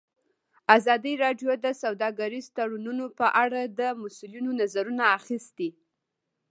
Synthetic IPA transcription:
azɑd̪iɾɑɖjod̪əsawd̪ɑɡaɾizt̪aɽununopəʔaɽad̪əmʊsulinonazaɾunaːxist̪i

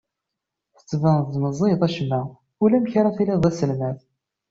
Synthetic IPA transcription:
θə̥t͡sːvənðməzˤiðˤæʃmæ | ulæmçɾˤæθiliðˤæsəlmæθ

